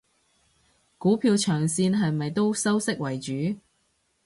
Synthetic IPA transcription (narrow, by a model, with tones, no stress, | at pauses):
kuː˨˥pʰiː˧wt͡ʃʰœː˨˩ŋsiː˧nɦɐ˨jmɐ˨jt̪o˥wsɐ˥wsɪ˥k̚wɐ˨˩jt͡ʃyː˨˥